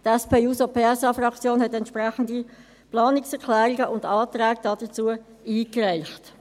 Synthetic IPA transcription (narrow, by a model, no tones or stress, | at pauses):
tɛspʰeːuːsopʰeːɛsɑfrɑkt͡sjoːnhɛtɛntʃpʁɛχəndi | plɑːnɪksɛʁkʰlɛːɾiɡəʔʊndɑːt̪ɾɛːɡ̚d̥ɑd̥ət͡suə | iːkrɛɪχt